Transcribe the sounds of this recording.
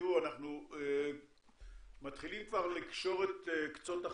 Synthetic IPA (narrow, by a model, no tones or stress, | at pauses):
uanaχnue | mat̪χilimkvaʁlikʃo̞ʁet̪ekt͡sota